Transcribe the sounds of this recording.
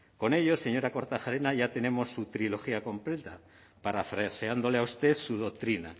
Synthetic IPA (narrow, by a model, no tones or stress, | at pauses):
ko̞ne̞ʎo̞se̞ɲo̞ɾako̞ɾt̪axaɾe̞naʝat̪e̞ne̞mo̞sːut̪ɾilo̞xiako̞mple̞t̪a | paɾafɾeseand̪o̞leaust̪e̞θsuð̞o̞k̚t̪ɾina̰